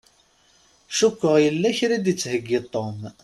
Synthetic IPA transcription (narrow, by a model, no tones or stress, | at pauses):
ʃukʷːəʁjəlːæçɾid̪jət͡sːhəɡːit̪ˤːom